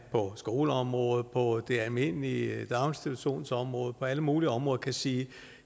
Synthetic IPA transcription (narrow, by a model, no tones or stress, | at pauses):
pʰɒ̽sɡ̥o̝ːləɒ̽mʁɔ̽ːð̩ˠpʰɒ̽d̥e̝ælme̝n̰lid̥ɑ̈ʊnsd̥iɾuso̝̰ːnsɒ̽mʁɔ̽ːð̞̩ˠpʰɒ̽æləmuːliəɒ̽mʁɔ̽ːðˠkʰæsiː